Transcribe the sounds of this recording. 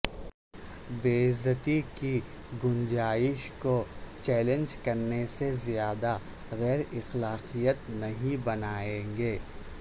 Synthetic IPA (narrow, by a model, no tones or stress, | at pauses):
beːɪzət̪iki | ɡʊnd͡ʒaːɪʃkot͡ʃɛːlẽnd͡ʒkɐɾnesezijaːd̪a | ɣɛːɾɪxlaːqijət̪nɐɦĩbɐnaːẽːŋɡeː